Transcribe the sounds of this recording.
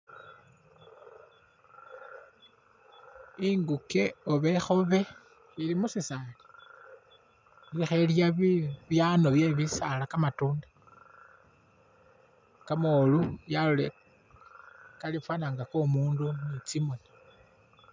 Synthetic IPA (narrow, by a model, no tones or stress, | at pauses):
iŋɡuke̞oβe̞xo̞βe̞ | ilimusisali̥ | ilixeljaβiβjano̞βje̞βisalakamatuːndḁ | kamolujalule | kalifwanaːŋɡakomuːndunit͡simo̞ni